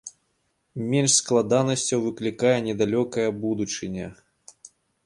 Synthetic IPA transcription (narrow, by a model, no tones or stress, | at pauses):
mʲɛnʂsklˠad̪anɐsʲt͡sʲɐwvɨklʲikajɛnʲɛd̪alʲɔkɐjɐbud̪ut͡ʂɨnʲɐ